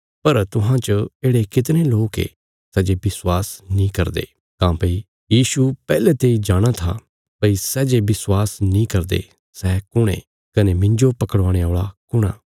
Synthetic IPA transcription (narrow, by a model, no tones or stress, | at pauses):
pɐɾt̪ʊɦãt͡ʃeːɽekɪt̪̬neloːkḛ | sɛːd͡ʒebɪswaːsnĩkɐɾd̪ḛː | kãːpɐi | jiːsupɛːlɛt̪eːid͡ʒaːɽ̃at̪ʰa̰ | pɐisɛːd͡ʒebɪswaːsnĩkɐɾd̪ḛ | sɛkʊɽ̃ḛ̃ | kɐnemɪ̃ɲd͡ʒopɐkəɽʋãːɽ̃eoːɭakʊɽ̃a̰ː